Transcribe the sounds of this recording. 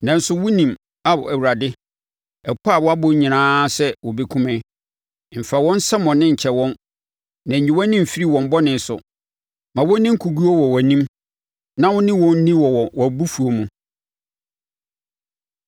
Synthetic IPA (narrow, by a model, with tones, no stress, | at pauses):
nã˨n̩˦sʊ˨wʊ˦nĩ˨m | a˦bɔ˨æ˨wu˨ɾa˨dɪ˦ | ɛ˨kʰɔ˦a˨wɔ˦a˦bʊ˦ɲĩ˨nãː˦sɛ˦wɔ˨be˨kʰũ˦mɛ̃˦˨ | m̩˨fa˨wɔ̃˦n̩˦sɛ˦mɔ̃˨nɪ̃˦ɲ̩˨t͡ɕʰɛ˨wɔ̃˦nː | ã˨ɲĩ˨wɔ̃˦nːĩ˦m̩˨fi˦ɾi˦˨wɔ̃˨m˦bɔ˦nɪ̃˨n˨sʊ̰˨ | mã˨wɔ̃˦nĩ˦ŋ̩˦kʰu˨ɡu˦o˦wɔ˨wɔ˨nĩ˦m | nã˦wʊ̃˦nĩ˦wɔ̃˦n̩˦nĩ˦wɔ˨wɔ˨wɔ˨bu˦fu˨o˨mũ˨